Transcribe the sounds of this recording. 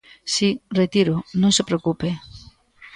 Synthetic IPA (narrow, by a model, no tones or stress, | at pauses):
siret̪iɾʊnõŋsepɾeokupe